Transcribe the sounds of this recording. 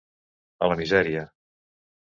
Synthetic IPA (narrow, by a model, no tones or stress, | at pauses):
ələmizɛɾiə